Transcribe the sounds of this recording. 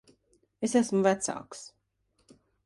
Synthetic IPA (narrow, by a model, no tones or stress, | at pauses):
esæsmuvæt̪sa̰ːks